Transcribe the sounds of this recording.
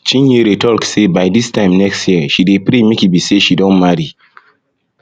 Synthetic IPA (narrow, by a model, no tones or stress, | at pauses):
t͡ʃʰĩnjiɾetʰɔlksebaɪdistãɪ̃mnɛkstjiəʃidepɾemekibiseʃidõnmaɹi